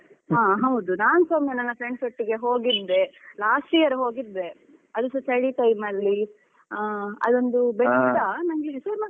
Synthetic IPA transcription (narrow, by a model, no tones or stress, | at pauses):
ɦaːɦɐwd̪unaːnsomːenɐnːɐpɾeɳɖsɐʈːiɡe̞ɦoːɡid̪d̪e̞laːsʈijɐɾɦo̞ːɡid̪ːe̞ | ɐd̪usɐt͡ʃɐɽiʈɐjmɐɽli | ɐ̰d̪o̞nd̪ubɛɐnɐŋɡlisɐɾma